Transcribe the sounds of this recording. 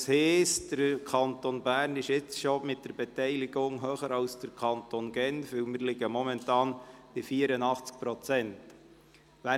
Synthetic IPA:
shɛːsd̥əɾkʰɑnt̪onbæːɾnɪʃɪt͡sʃomɪt̚d̥əɾbɛtɛɪlɪɡʊŋɦøːχəɾɑlsd̥əɾkʰɑntonɡɛnfʋɪwmɪɾlɪɡəmɔmɛntɑːnb̥ifiːəɾənɑχt͡sk̚pɾɔt͡sɛnt | ʋæ

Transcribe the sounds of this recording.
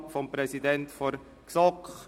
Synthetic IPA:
fɔmpɾɛsidɛntfɔɾ | ksɔkχ

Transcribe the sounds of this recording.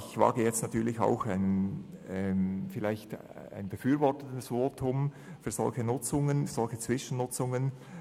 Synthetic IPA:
ɪçvɑ̰ːɡəjɛt͡stnatyːɐlɪça̰ʊxaɪnɛmfɪlaɪçt | a̰ɪnbəfyːɾvɔʁtənəsvoːtʰʊm | fyːz̥ɔ̰lçənʊt͡sʊŋənz̥ɔlxət͡sv̥ɪʃən̩nʊt͡sʊŋən

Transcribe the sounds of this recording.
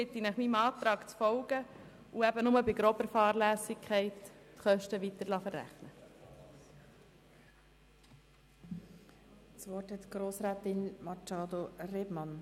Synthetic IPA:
ɪt̪ːinæχmiːmɑːt̪ɾɑːɡ̥t͡sfɔwɡ̥ə | uæbənʊməbɪɡɾɔbəɾfɑːɾlæːsɪkʰɛɪtːχœʃtəʋit̪əɾlɑfəɾːæ̰χnə | svɔthɛt̪ɡ̥ɾoːsɾæːt̪ɪnmɑt͡ʃɑːd̪orebmɑn

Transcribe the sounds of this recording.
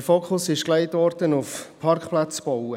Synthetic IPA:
foːkχʊsɪʃkleɪtvɔɾd̥ənʊfpʰɑɾkχplat͡sb̥ɔwə

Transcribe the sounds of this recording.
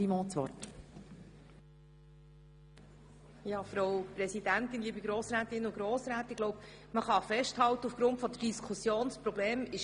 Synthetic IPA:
imɔːt͡sʋɔ̰rt | jɑːfɾowpɾɛsid̥ænt̪ɪnliːbiɡɾoːsɾæːt̪ɪnʊɡ̥ɾoːsɾæːt̪ɪɡloʊp | məχɑfɛʃthɑlt̪əufɡ̥ɾʊntfɔd̪əd̥iskʰusjoːnspɾɔbleːmɪʃ

